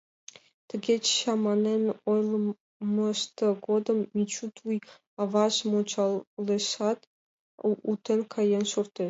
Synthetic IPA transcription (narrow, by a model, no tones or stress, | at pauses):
t̪ɘ̆ɡʲet͡ɕɕɑmɑnenojlˠ | məʃt̪ɤɡod̪ə̆mːit͡ɕut̪uj | ɑvɑʃmot͡ɕɑlleʃɑt̪ | ut̪ə̆nkʰɑjenʃort̪e